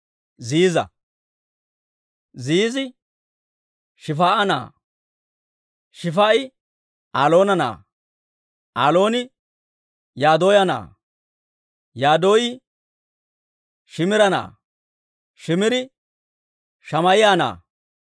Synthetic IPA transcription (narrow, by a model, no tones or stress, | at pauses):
ziːzɐ̰ | ziːzɪ | ʃɪfaːʔɐna̰ː | ʃɪfaːɪ | aːlo̞ːnɐna̰ː | ʔaːlo̞ːnɪ | jaːd̪oːjɐna̰ː | jaːd̪o̞ːjɪ | ʃɪmɪɾɐna̰ː | ʃɪmɪɾɪ | ʃɐmɐjɪjaːna̰ː